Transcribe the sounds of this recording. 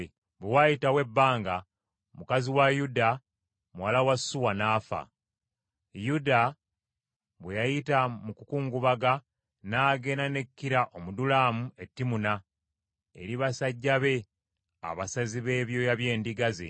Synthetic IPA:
βewajitawe̞bːaːŋɡa | mukaziwajuda | muwalawasːuwanaːfa̰ | juda | βwejajitamukukuːŋɡuβaɡa | naːɡe̞nane̞kːiɾaʔomudulaːmue̞tːimuna | e̞̰ɾiβasaɟːaβe̞ | a̰βasaziβe̞ːβjo̞jaβje̞ːndiɡazḛ

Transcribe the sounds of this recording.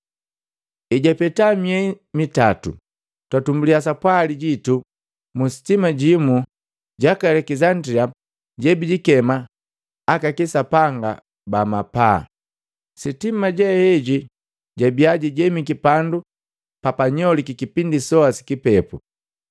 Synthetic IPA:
iɟapɛtamiɛi | mitatṵ | twatumbulias̬apwaliɟitu | musi̥timaɟimu | ɟakalɛkizandɾia | ɟɛbiɟikɛmaː | kakisapaŋɡa̰ | bamapa̰ | sitimaɟɛhɛɟi | ɟabiaɟiɟɛmikipandu | papaɲɔlikikipindisɔasi̥kipɛpṵ

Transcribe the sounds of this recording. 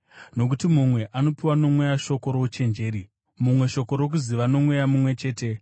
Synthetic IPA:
no̞k̬utimumwe̞ʔano̞piwano̞mwejaʃo̞ko̞ɾout͡ʃe̞nd͡ʒe̞ːɾi | mumwe̞ʃo̞ko̞ɾo̞k̬uziʋano̞mwe̞jamumwe̞t͡ʃe̞ːte̞

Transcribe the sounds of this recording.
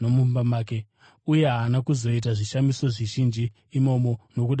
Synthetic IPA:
nomumbamaːke | uje̞ɦaːnakuzo̞it̬aʐiʃamiso̞ʐiʒind͡ʒiː | mo̞mo̞no̞kuɗ

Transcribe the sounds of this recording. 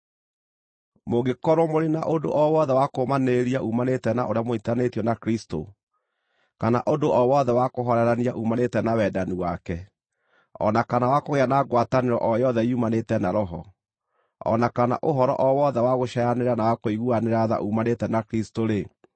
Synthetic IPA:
moɣekɔɾwɔmoɾena̰ʔodo̰ʔɔwɔðɛwakomaneɾiaʔumanetɛnaʔoɾeamoitanetiɔnakɾisto̰ | kanaʔodoʔɔwɔðɛwakoɦɔɾɛɾaniaʔumanetɛnawɛdaniwakɛ | ɔ̰nakanawakoɣeanaɡwataneɾɔ̰ʔɔjɔðɛiumanetɛnaɾɔɦɔ̰ | ɔ̰nakana̰ʔoɦɔɾɔ̰ʔɔwɔðɛwaɣoʃajaneɾanawakoiɣuaneɾaða̰ʔumanetɛnakɾistoɾe

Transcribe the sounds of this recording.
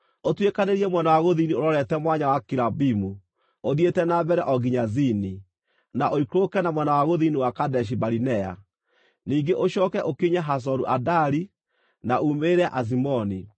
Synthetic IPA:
otwekaneɾiɛmwɛnawaɣoðinioɾɔɾɛtɛmwaɲawakiɾabimu | oðietɛnabɛɾɛʔɔɡiɲazini | naʔoikɾokɛnamwɛnawaɣoðiːniwakadɛʃ̬ibaɾinɛa̰ | niːŋɡeʔoʃɔːkɛʔokiɲaɦas̬ɔɾuʔadaɾi | naumeɾɛaʔazimɔni

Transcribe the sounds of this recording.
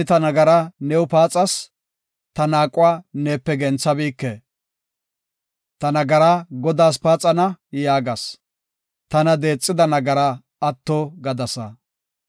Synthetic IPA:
t̪ɐnɐɡɐɾɐnɛwʊpaːt͡sʼɐs | t̪ɐnaːkʼʊwaːneːpːɛɡɛnt͡sːɐbiːkːe | t̪ɐnɐɡɐɾaɡɔd̪aːs̬paːt͡sʼɐnɐjaːɡɐs | t̪ɐnɐd̪e̞ːt͡sʼːɪd̪ɐnɐɡɐɾɐ | ɐt̪ːoːɡɐd̪ɐsɐ

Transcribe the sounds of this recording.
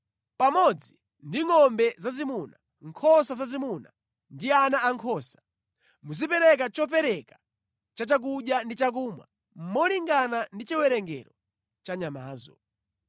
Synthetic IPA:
pamɔd͡zi | ndiŋɔmbɛzazimuna | ŋkʰɔsazazimuna | ndianaːŋkʰɔːsḁ | muzipɛɾɛk̬at͡ʃɔp̬ɛɾɛka | t͡ʃat͡ʃak̬uɗjandit͡ʃak̬umwa̰ | m̩mɔliŋɡanandit͡ʃiwɛɾɛŋɡɛ̰ɾɔ | t͡ʃaɲama̰ːzɔ̰

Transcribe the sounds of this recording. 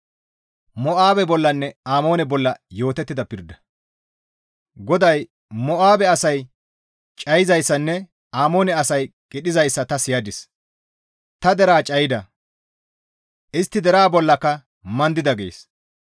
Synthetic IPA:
mɔʔaːbɛbɔlːɐnːɛaːmo̞ːnɛbɔlːɐjo̞ːt̪ɛt̪ːɪd̪ɐpɪɾd̪ɐ̥ | ɡɔd̪ɐj | mɔʔaːbɛɐsɐj | t͡ʃʼɐjɪzɐjsːɐnːɛ | aːmo̞ːnɛɐsɐjkʼɪɗɪzɐjsːɐt̪ɐsɪjɐd̪ɪs | t̪ɐd̪ɛɾaːt͡ʃʼɐjɪd̪ɐ | ʔɪst̪ːɪd̪ɛɾaːbɔlːɐkːɐ | mɐnd̪ɪd̪ɐɡḛːs

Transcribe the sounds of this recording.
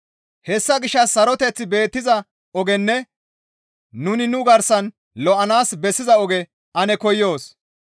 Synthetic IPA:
hɛsːɐɡɪʃːɐsːɐɾɔt̪ɛt͡sːɪbe̞ːt̪ːɪzɐ | ɔɡɛnːɛ | nʊnɪnʊɡɐɾsɐn | lɔʔɐnaːsbɛsːɪzɐɔɡɛ | ʔɐnɛkɔjːo̞ːs

